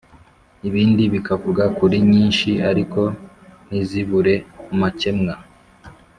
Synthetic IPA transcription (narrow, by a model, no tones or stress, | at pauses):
iβiːndiβikakuɾɡakuɾiɲiːnʃiaɾiko̞ | n̥iziβuɾe̞umace̞mŋa